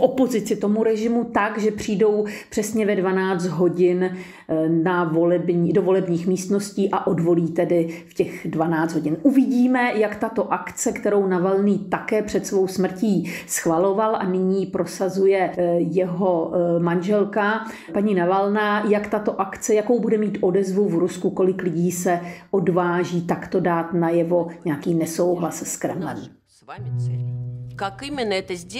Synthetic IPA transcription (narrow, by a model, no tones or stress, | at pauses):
fʔo̞po̞zɪt͡sɪt̪o̞muɾɛʒɪmut̪aɡʒɛpr̝̥iːdo̞wpr̝̥ɛsɲɛvɛdvanaːd͡zt̪ɦo̞ɟɪn | navolɛbɲiːdovo̞lɛbɲiːxmiːst̪no̞sciːʔaʔo̞dvo̞liːt̪ɛdɪfcɛxdvanaːd̪ɦo̞ɟɪnʔuvɪɟiːmɛjakt̪at̪o̞ʔakt͡sɛkt̪ɛɾo̞wnavalniːt̪akɛːpr̝̥ɛt̪svo̞wsmr̩ciːsxvalo̞valʔa̰nɪɲiːpɾo̞sazujɛjɛɦo̞manʒɛlka | paɲinavalnajakt̪at̪o̞ʔakt͡sɛjakowbudɛmiːt̪ʔo̞dɛzvuvɾuskuko̞lɪklɪɟiːsɛʔodvaːʒiːt̪akt̪o̞daːt̪najɛvo̞ɲɛakiːnɛso̞wɦlasskɾɛ̰mlɛ̰m | kakɪmɪnəɛt̪əz